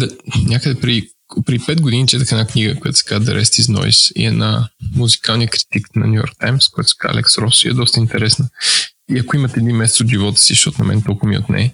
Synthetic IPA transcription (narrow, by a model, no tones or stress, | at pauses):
d̪ɐnʲakəd̪ɛpɾɛd̪i | pɾɛd̪ipɛd̪̚ɡod̪init͡ʃ̪at̪əxɛnakniɡəkojat̪ʊsɛ̥kazd̪ɛ̰ɾʔɛst̪iznɔ̰ḭsḭɛnamuzikalˠnijəkɾi̥t̪iknɐ̰nʲujɔ̰ɾk̚t̪ajmskojat̪ʊsɛ̥ka̰lɛ̰ksɾɔsiɛ̰d̪ɔst̪əint̪ɛɾɛsnəiɐkoimət̪ɛɛd̪imːɛsɛt̪sod̪ʒivɔt̪ə̥sizəʃtɔt̪ʊnɐ̰mɛ̰nt̪ɔlˠkʊvmḭo̰t̪nɛ̰ɛ